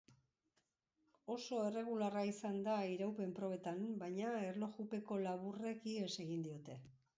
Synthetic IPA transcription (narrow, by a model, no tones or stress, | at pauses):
o̞so̞e̞re̞ɣ̞ularaisand̪aiɾawpe̞mpɾo̞β̞e̞t̪ambajɲaerlo̞xupe̞ko̞laβure̞kiese̞ɣind̪io̞t̪e̞